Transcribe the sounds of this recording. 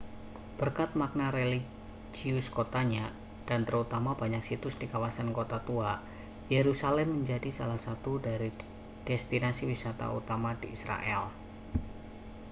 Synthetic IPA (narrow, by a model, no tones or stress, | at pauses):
b̥ərkat̪̚mak̚naɾeli | d͡ʒiʊskot̪aɲa | d̥ant̪əɾut̪amab̥aɲak̚sit̪ʊsd̥ikawasankot̪at̪ua | jeɾusalɛmːəɲd͡ʒadisalahsat̪udaɾi | d̥ɛst̪inasiwisat̪a̰ṵt̪amadiisɾa̰ʔɛl